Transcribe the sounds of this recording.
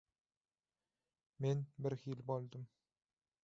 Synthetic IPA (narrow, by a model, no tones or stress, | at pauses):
menbɪɾxilbolˠd̪əm